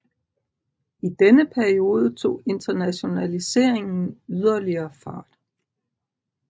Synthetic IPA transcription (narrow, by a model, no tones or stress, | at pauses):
id̥enəpʰæɐio̝ːð̞ˠət͡sʰo̝̰ːe̝nd̥ɐnæɕo̝nælise̝ɐ̰eŋn̩yð̞ˠɐliɐːfɑ̰̈ːd̥